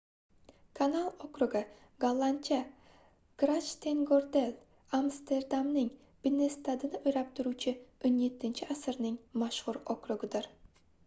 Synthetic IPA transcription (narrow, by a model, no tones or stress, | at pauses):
kʰanalˠokɾʊɡɪ | ɡalˠːant͡ʃʰa | ɡ̥ɾat͡ʃt̪ʰeŋɡoɾd̪el | amst̪e̞ɾd̪amnɪŋ | b̥ɪnːest̪ad̪ɪnɪʔʊjɾap̚t̪ʰʊɾut͡ʃʰɪonje̞t̪ʰːɪnt͡ʃʰɪʔasɨɾnɪŋmaʃhʊɾokɾʊɡɪd̪ɪɾ